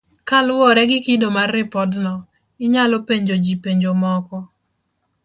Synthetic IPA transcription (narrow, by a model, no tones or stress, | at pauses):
kalwɔɾɛɡɪkidomarɪpɔdnɔ | ɪɲalɔpeɲd͡ʒod͡ʒipeɲd͡ʒomɔkɔ